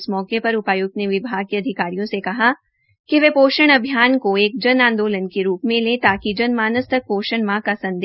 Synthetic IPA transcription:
smɔːkepɐɾʊpaːjuːɡ̚t̪neʋɪbʱaːɡ̚keɐd̪ʱɪkaːɾijõsekɐɦa | kiʋeːpoːʃəɽ̃ɐbʱjaːnkoeːk̚d͡ʒɐnãːnd̪oːlənkeɾuːpmẽleːt̪aːkid͡ʒɐnmaːnəst̪ʰək̚poːʃəɳmãkasɐ̃nd̪

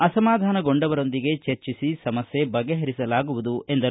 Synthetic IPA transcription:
ɐsɐmaːd̪ʱaːnɐɡo̞ɳɖɐʋɐɾo̞nd̪iɡe̞t͡ʃeɾt͡ʃisisɐmɐsje̞bɐɡeɦɐɾisɐlaːɡuʋud̪ue̞nd̪ɐɾ

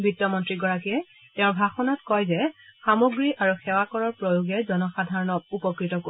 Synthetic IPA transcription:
bɹitːɔmɔntɹiɡɔɹakijɛ | tɛ̃ʊ̃ɹbʱaxɔnatkɔjzɛxamoɡɹiʔaɹuxɛwakɔɹɔɹpɹojuɡɛzɔnɔxadʱaɹɔnɔk̚upɔkɹitɔko

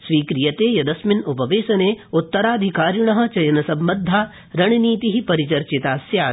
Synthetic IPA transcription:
sʋiːkɾijɐt̪eːjɐd̪ɐsminupɐʋeːsɐneːut̪ːɐɾaːd̪ʱikaːɾjɳɐɦɐ̆t͡ʃɐjɐnɐsɐ̃mːɐd̪ʱːaː | ɾɐɳiniːt̪iɦipɐɾit͡ʃɐɾt͡ʃit̪aːsjaː

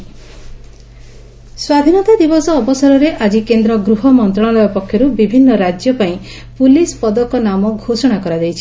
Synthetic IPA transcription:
swad̪ʱinɔt̪ad̪ibɔsɔːbɔsɔɾɔɾeʔad͡ʒikend̪ɾɔɡɾuɦɔmɔnt̪ɾɔɭ̃ɔlɔjɔpɔkʰːjɔɾubibʱinːɔɾad͡ʒjɔpaĩ | pulispɔd̪ɔkɔnamɔɡʱosɔɽ̃akɔɾad̪ejt͡ʃʰi̥

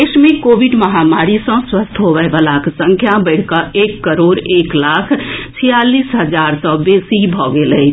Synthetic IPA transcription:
eʃmẽkoːʋiɖmɐɦaːmaːɾisɔ̃swəst̪ʰɦoʋɛʋəlaːkʰsə̃ŋkʰjabəɪɽ̤kaeːkːəɾoːɾeːklaːkʰt͡ʃʰijaːliːsɦəd͡ʒaːɾsɔːbeːsibʱɔːɡeləi

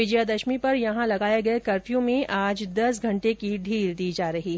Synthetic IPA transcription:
ɪd͡ʒjad̪ɐʃmipɐɾjɐɦãlɐɡaːjaɡɐekɐɾfijõmẽʔaːd͡ʒd̪ɐsɡʱɐ̃ɳʈekiɖ̪ʱiːɾd̪iːd͡ʒaːɾɐɦiː

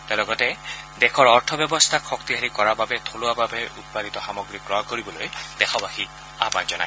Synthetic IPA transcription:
tɛlɔɡɔtɛ | dɛkʰɔɹɔɹtʰɔbɔbɔst̪ʰakxɔkt̪iɦaɹikɔɹababɛt̪ʰolʊababɛut̚padit̪ɔxamɔɡɹikɹɔakoɹibɔlojd̥ɛxʰɔbaxi | a̰banzɔna̰j

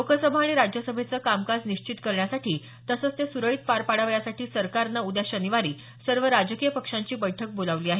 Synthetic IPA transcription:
okʰəsəbʱaːɽ̃iɾad͡ʑjəsəbʱet͡səkamkad͡zniɕt͡ɕit̪kəɾɳjasaʈʰiː | t̪əsəːt͡st̪esuɾəɭit̪̚paɾpaɽaʋɭjasaʈiːsəɾkaɾnaud̪jaɕəniʋaɾiː | səɾʋəɾad͡ʑəkijəpəkʂaɲt͡ɕiːbəjʈʰək̚bolaʋliːaɦe

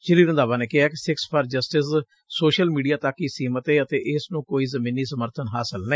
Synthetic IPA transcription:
t͡ʃɪɾiːɾənd̪aːʋãːneːkɪɦaːkɪsɪkspʰəɾd͡ʒəsʈɪs | soːʃəlmiːɖijaːt̪əkiːsiːmət̪eːət̪eːʔɪsnũːkoːiːzəmĩːniːsəməɾt̪ʰənɦaːsəlnəː

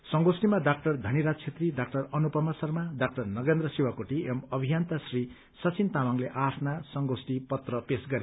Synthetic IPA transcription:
sʌŋɡosʈimaɖak̚ʈʌrd̪ʱʌniɾat͡sʰet̪riɖak̚ʈʌrʌnupʌmʌsʌrmaɖak̚ʈʌrnʌɡend̪rʌsiwakoʈiemʌbʱijant̪asri | sʌt͡sint̪amaŋleʔatʰnasʌŋɡosʈipʌt̪rʌpesɡʌɾe

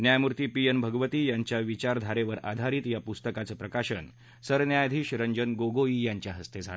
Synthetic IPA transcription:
njajmuɾt̪iːpienbʱəɡʋət̪iːjaɲt͡ɕjaʋit͡ɕaɾd̪ʱaɾeʋəɾa̰d̪ʱaɾiːt̪japust̪əkat͡səpɾəkaɕən | səɾnjajd̪ʱiːɕɾəɲd͡ʑənɡoɡoiːjaɲt͡ɕjaɦəst̪ed͡zʱal

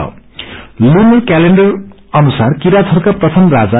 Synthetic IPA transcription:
lunʌrkaleɳɖʌr | ʌnusarkiɾat̪ʰʌrkaprʌt̪ʰʌmrad͡za

